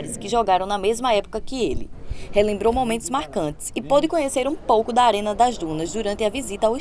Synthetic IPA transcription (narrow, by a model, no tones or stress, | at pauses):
ɾɪskɪʒɔɡaɾɐ̃w̃nɐmezmɐɛpo̥kɐkɪelɪ̰helẽmbɾowmomẽnt̪ʊzmaɾkɐ̃nt̪ɪ̥sɪpod̪ɪkõɲeseɾũpowkʊd̪ɐaɾẽnɐd̪ɐzd̪ũnɐzd̪uɾɐ̃nt̪ɪɐvizit̪ɐawi